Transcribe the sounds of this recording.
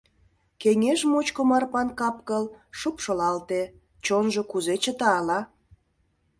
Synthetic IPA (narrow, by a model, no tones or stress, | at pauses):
keŋeʒmot͡ɕkomɑrpɑnkɑpkəlʃupʃolɑlt̪e | t͡ɕonʒokuzet͡ɕət̪ɑːlɑ